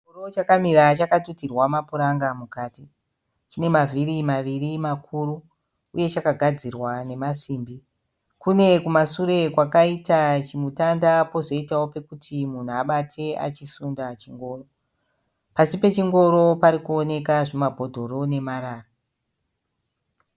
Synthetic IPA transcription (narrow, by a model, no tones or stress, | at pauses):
iorot͡ʃakamiɾat͡ʃakatutirwamapuɾaŋɡamukaːti | t͡ʃine̞mavirimaʋirimakʰuɾuː | je̞t͡ʃakaɡʱad͡zirwane̞masiːmbi | kune̞kumasuɾe̞kwakaitat͡ʃimutandapo̞zo̞itawo̞pe̞kutʰimun̤uaɓatʰe̞a̰t͡ʃisundat͡ʃiŋɡo̞ːro | pasipe̞t͡ʃiŋɡo̞ɾo̞paɾikuone̞kaʐemabʱo̞dʱo̞ɾo̞ne̞maɾaːra